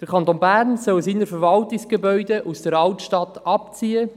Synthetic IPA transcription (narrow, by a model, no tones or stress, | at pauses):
d̥əɾkʰɑnt̪oːnbæɾnsœlsɪnəfəɾvɑltɪksɡ̥ebœʏdeʔusd̥əɾɑltʃtɑtɑpt͡siːə